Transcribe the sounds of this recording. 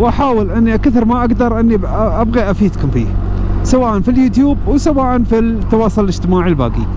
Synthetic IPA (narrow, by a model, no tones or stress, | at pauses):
wʔaħaːwɪlʔɪnːiʔakaθɪɾmaʔaɡd̪ɑɾˤʔɪnːi | ʔabɣiʔafiːd̪kʊmfḭː | sawaːʔanfiljuːt̪juːb̚wsawaːʔanfit̪ːɑwɑːsˤʊllɪd͡ʒt̪ɪmaːʕilba̰ːɡi